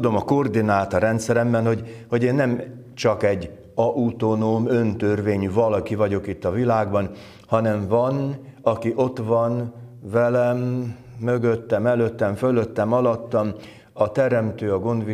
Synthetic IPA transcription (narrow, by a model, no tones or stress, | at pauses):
ud̪o̞mɒkord̪inaːlt̪ɒɾɛnt̪sɛɾɛmbɛnho̞ɟho̞ɟeːnːɛm | t͡ʃɒkɛɟː | ɒʔut̪onoːmø̞nt̪ø̞rveːɲyvɒlɒkivɒɟo̞kit̪ːɒvilaːɡbɒn | hɒnɛɱvɒn | ɒkiʔo̞t̪ʋɒnvɛlɛmː | ø̞ɡøt̪ːɛmɛløt̪ːɛɱføløt̪ːɛmɒlɒt̪ːɒm | ɒt̪ɛɾɛmt̪øːɒɡo̞nd̪ʋi